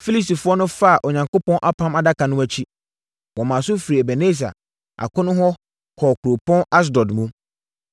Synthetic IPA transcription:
fi˦li˦si˨fʊ˦ɔ˦nʊ̃˦fa˦a˨ʔɔ˨ɲã˨ŋko˦pɔ̃˦nʔa˦pʰã˦ma˨da˦kʰa˨nʊ̃˦æ˦t͡ɕʰi˦ | wɔ̃˨mã˨sʊ˦fi˨ɾi˨ɛ˨bɛ˨ne˦˨s̬a̰˨ | ʔa̰˨kʰʊ̃˦nʊ̃˦ɦɔ˦ | kʰɔː˨kʰu˨ɾo˨pʰɔ̃˦na˦s̬dɔ˨dmũ˦

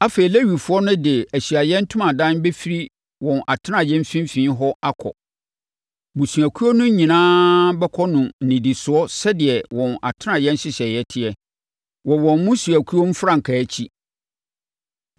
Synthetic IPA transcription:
a˦feː˨i˨le˦ɥi˨fʊ˦ɔ˦nʊ̃˦dɪ˨æ˨ɕi˨a˨jɛ̃˦n̩˦tʰʊ̃˦mã˨dã˦nbe˦fi˦ɾi˦ | wɔ̃˨nʔa˨tʰɪ˦nã˨jɛ̃˦m˦fĩ˦mfĩː˨˦ɦɔ˦a˦kʰɔ̰˨ | mũ˨su˨æ˨kʰu˦o˦nʊ̃˦ɲĩ˨nãː˦bɛ˦kʰɔ˦nʊ̃˨n̩˨nĩ˨di˨sʊ˨˦ɔ˦sɛ˦dɪ˨ɛ˨wɔ̃˨na̰˨tʰɪ˦n˦ã˨jɛ̃˦n˦ɕɪ˦ɕɛ˨jɛ˦tʰɪ˦ɛ˨ | wɔ˨wɔ̃˨nmʊ̃˦su˨æ˨kʰu˦o˦m̩˦fɾã˦˨ŋ̩˨kʰa˨˦t͡ɕʰi˦

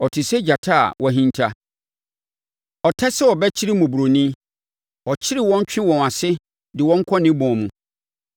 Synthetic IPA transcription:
ɔ˨tʰɪ˨sɛ˦d͡ʑa˨tʰa̰˦˨wʔɔ̃˨ɦĩ˦n˦tʰa˦ | ɔ˨tʰɛ˦sɛ˦wɔ˨bɛ˦t͡ɕʰɪ˦ɾi˦mʊ̃˨bu˨ɾo˨nĩ˦ | ɔ˨t͡ɕʰɪ˦ɾɪ˦wɔ̃˦ɲ˦t͡ɕᶣɪ̃˦wɔ̃˨na˨sɪ˦ | dɪ˨wɔ̃˦ŋ̩˦kʰɔ˦nɪ̃˦bɔ̃˨mũ˨

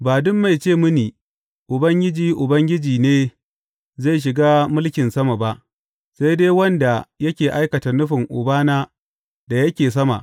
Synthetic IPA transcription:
baː˨dʊ˦mːa˨jt͡ʃeː˦˨mʊ˦niː˨ | ʔʊ˨bɐ˦ŋɡʲɪ˦d͡ʒiː˨ʔʊ˨bɐ˦ŋɡʲɪ˦d͡ʒiː˨neː˦ | za˦˨ʃ̬ɪ˨ɡaː˦mʊ˦lkʲɪ˨nsɐ˦ma˨ba˦ʔ | sa˦jdeː˦wɐ˦nda˨jɐ˦kʲeː˨ʔa˦jkɐ˨ta˨nʊ˦ɸɪ˨ŋʔʊ˨baː˦naː˦ | da˨jɐ˦kʲeː˨s̬ɐ˦ma̰˨ʔ

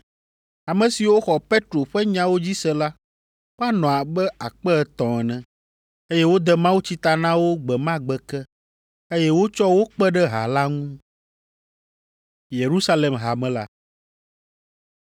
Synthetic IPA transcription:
a˨mɛ̃˨si˨wo˦xɔ˨pe˦t̪ɾo˨ɸɛ˦ɲã˦wo˦d͡ʑi˦sɛ˦la˦ | wo˦a˦nɔ̃˨a˨bɛ˦a˨k͡pɛ˦ɛ˨t̪ɔ̃˨ɛ˨nɛ̃˨ | e˦jɛ˦wo˦d̪ɛ˦mã˦wu˦t͡ɕi˦t̪a˨nã˦wo˦ɡ͡bɛ˨mã˦ɡ͡bɛ˨kɛ˦ | e˦jɛ˦wo˦t͡ʃɔ˦wo˦k͡pɛ˦ɖɛ˦ɦa̰˨la˦ŋũ˦ | je˨ɾu˦sa˦le˨mɦa˨mɛ̃˦la˦

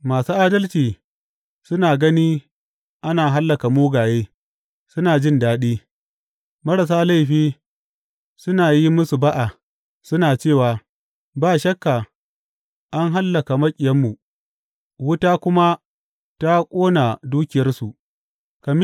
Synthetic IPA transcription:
maː˨suː˦ʔaː˦dɐ˦lt͡ʃiː˨ | sʊ˦naː˨ɡɐ˦niː˦ | ʔa˦naː˨ɦa˦lːɐ˨ka˨moː˦ɡaː˨jeː˦ | sʊ˦naː˨d͡ʒɪ˦˨ndaː˦ɗiː˦ | mɐ˦ɽɐ˨s̬aː˦la˦jɸiː˦ | sʊ˦naː˨ji˦mʊ˦su˨ba˦ʔa˨ | sʊ˦naː˨t͡ʃeː˦˨waː˨ | baː˦˨ʃɐ˦kːa˨ | ʔa˦ŋɦa˦lːɐ˨ka˨mɐ˦kʲʼɪ˨jɐ˦mːu˨ | wʊ˦taː˦kʷʊ˦ma˦ | ta˦kʷʼoː˦na˨duː˦kʲɪ˨jɐ˦rsu˨ʔ | ka˨mɪ˦

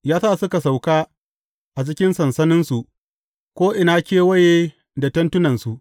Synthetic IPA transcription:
jaː˦saː˦˨sʊ˦ka˨sa˨wkaː˦ | ʔa˨t͡ʃɪ˦kʲɪ˦nsɐ˨nsɐ˦nɪ˦nsu˨ʔ | kʷoː˦ʔɪ˨na˦kʲeː˦wɐ˦jeː˦ | da˨tɐ˦ntʊ˦nɐ˨nsu˨ʔ

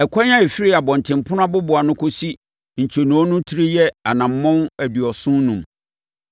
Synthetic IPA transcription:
ɛ˨kʷʰɔ˦ɲ˦ã˦e˨fi˦ɾi˦a˨bɔ̃˨n̩˨tʰɪ̃˨m˨pʰʊ˦nʊ̃˦ã˦bʊ˦bʊ˨a˨nʊ̃˦kʰo˦si˦ | ɲ̩˨t͡ɕʰo˨nũ˨˦ɔ˦nʊ̃˦tʰi˦ɾi˦jɛ˦a˨nã˨m̩˦mɔ̃˦næ˨dɥɔ˨sʊ̃˦nnũ˨m

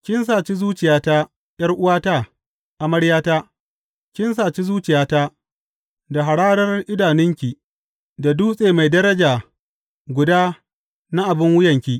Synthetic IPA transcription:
kʲɪ˦ns̬aː˨t͡ʃi˦zuː˦t͡ʃɪ˨jaː˦taː˦ | jɐ˦rʔʊ˦waː˦taː˦ | ʔa˨mɐ˦ɽjaː˦taː˦ | kʲɪ˦ns̬aː˨t͡ʃi˦zuː˦t͡ʃɪ˨jaː˦taː˦ | da˨ɦa˨ɽaː˦dɐ˦rʔɪ˦daː˨nɪ˦ŋkʲi˨ | da˨duː˦sʼeː˨ma˨jdɐ˦ɾɐ˦d͡ʒaː˨ | ɡʷʊ˨daː˦ | na˦ʔa˨bɪ˦ŋwʊ˦jɐ˨ŋkʲi˦ʔ

